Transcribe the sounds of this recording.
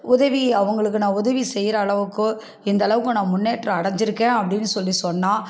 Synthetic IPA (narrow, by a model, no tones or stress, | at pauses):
ʊðɐʋiɐʋɐŋɡɐɭɯkːɯnãːʊðɐʋisɛjɾɐːɭɐʋɯkːɯ̃ | ɪnd̪ɐːɭɐʋɯkːɯ̃nãːmʊnːeːʈrɐɐɽɐɲd͡ʒɪɾɯkːẽːɐpːɐɽɪnːɯsɔlːisɔnːaː